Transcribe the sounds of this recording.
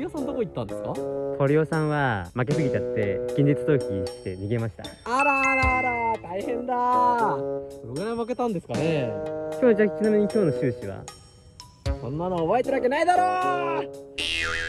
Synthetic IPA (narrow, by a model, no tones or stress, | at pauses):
io̞sãnd̪okoit̪ːãnd̪e̞sɨ̥kat̪ʰo̞ɾʲio̞sãɰ̃βamak̬e̞sɨɡʲitat̪ːe̞̰ɡ̥ʲĩɲʲd̪it͡sɨ̥t̪o̞ːkʲiɕi̥t̪e̞ɲʲiɡe̞maɕi̥t̪a̰aɾaɾaɾat̪aihẽ̞nd̪a | soɾoɡɯ̟ɾaimake̞t̪ãnd̪e̞sɨ̥kanekʲoːnod͡ʑakʲi̥t͡ɕinamʲiɲ̟ikʲo̞ːno̞ɕɨːɕiβa̰ | sõ̞nːanoːβaet̪eɾɯβakenaid̪aɾo